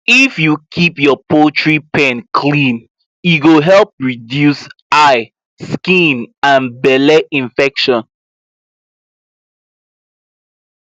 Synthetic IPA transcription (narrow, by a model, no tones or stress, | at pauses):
ifjukʰipjɔpʰotʰɹipʰɛ̃nkʰlĩn | jiɡoɦɛlp̚ɹidjus | aɪ | skĩnãnbɛlɛʔĩnfɛkʃɔ̃n